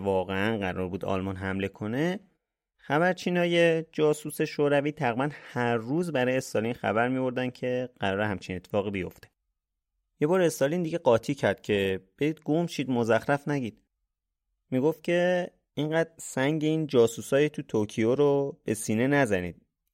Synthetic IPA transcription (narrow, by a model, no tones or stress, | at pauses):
vɒːɣeænɢæɾɒ̰ːɾbuːd̪ɒ̰lmɒːnɦæmle̞kʰo̞ne̞ | xæβæɾt͡ʃʰiːnɒːjed͡ʒɒːsuːse̞ʃoːɾæviːt̪ʰæɣibænhæɾːuːzbæɾɒːjeest̪ɒlinxæ̰bæɾmibo̞ɾd̪æn̥cʰe̞ɢ̥æɾɒːɾehæmt͡ʃʰinet̪ʰːefɒːɣibijo̞̰ft̪e̞̥ | je̞bɒːɾe̞st̪ɒlind̪iɡɟe̞ɢɒːt̪ʰiːcʰæɾd̪̥̚cʰe̞b̥e̞d̪iːd̪̚ɡomʃiːd̪mozæxɾæfnæɟiːd̪̥ | miːɡoft̪̚cʰe̞ | iŋɢæːd̪sæŋɟe̞iːnd͡ʒɒːsusɒːjit̪ʰut̪ʰocʰijoɾob̥e̞siːne̞næzæniːd̪̥